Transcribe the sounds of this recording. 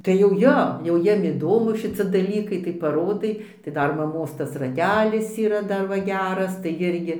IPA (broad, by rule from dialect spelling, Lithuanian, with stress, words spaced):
tɐɪ jɛʊ ˈjoː jɛʊ ˈjiɛm ɪˈdoːmʊ ʃʲɪˈt͡sʲɪ dɐˈlʲiːkɐɪ tɐɪ pɐˈroːdɐɪ tɐɪ ˈdɐr mɐˈmoːs ˈtɐs rɐˈtʲæːlʲɪs iːˈrɐ ˈdɐr ˈʋɐ ˈɡʲæːrɐs tɐɪ ˈɪrʲɡʲɪ